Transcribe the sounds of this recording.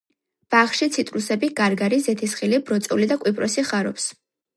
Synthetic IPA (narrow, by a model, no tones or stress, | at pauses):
b̥aχʃit̪sʰit̪ʼɾusɛbiɡ̥aɾɡaɾizɛt̪ʰisχilibɾɔt̪sʼulid̪akʼwipʼɾʔɔsiχaɾɔ̰ps